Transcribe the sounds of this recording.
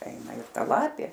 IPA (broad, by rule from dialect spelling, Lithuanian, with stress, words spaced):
ˈɛɪnɐ ɪr ˈtɐ ˈlˠɑːpʲeː